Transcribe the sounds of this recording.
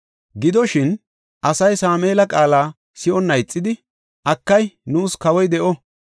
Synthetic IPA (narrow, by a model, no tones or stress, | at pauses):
ɡɪd̪ɔʃɪn | ʔɐsɐjsaːmeːlɐkʼaːlaː | sɪʔɔnːɐjt͡sʼːɪd̪ɪ | ʔɐkːɐjnuːskɐwɔjd̪ɛʔɔ